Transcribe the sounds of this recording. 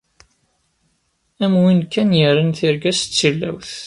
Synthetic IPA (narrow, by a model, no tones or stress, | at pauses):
æmwinkːænjəɾənθiɾɡæst͡sːilːæ̰wθ